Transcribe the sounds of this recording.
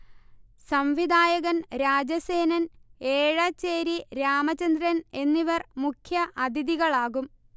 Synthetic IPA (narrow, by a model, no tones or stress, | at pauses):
sɐmʋid̪aːjɐɣɐnɾaːd͡ʑɐse̞ːnɐneːɻɐt͡ɕːeːɾiɾaːmɐt͡ɕɐnd̪ɾɐne̞nːiʋɐrmukʰjɐʔɐd̪ʱiðiɣɐɭaːɣum